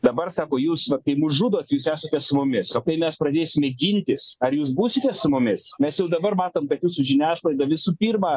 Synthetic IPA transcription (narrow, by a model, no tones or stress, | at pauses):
d̪ɐbɐrsɑːkoːjuːsʋɐkɐɪmʊsʒuːd̪oːt̪ʲjuːsæːsɐt̪ʲɛssʊmʊmʲɪsoːkɐɪmʲɛspɾɐd̪ʲeːsʲɪmʲɛɡʲɪnʲt̪ʲɪsɐrjuːs̬buːsʲɪt̪ʲɛssʊmʊmʲɪsmʲɛsjɛʊd̪ɐbɐrmɑːt̪oːmkɐt̪juːsʊʒʲɪnʲæːslˠɐɪd̪ɐʋʲɪsuːpʲiːrmɑː